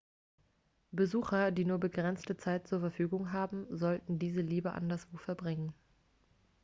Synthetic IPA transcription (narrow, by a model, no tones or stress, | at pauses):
b̥əzuːxɐdiːnuːɐbəɡʁɛnt͡stət͡saɪt̚t͡suːɐfɛɐfyːɡʊŋɦaːbm̩zɔltn̩diːzəliːbəʔa̰ndasv̥oːfɛɐbʁɪŋən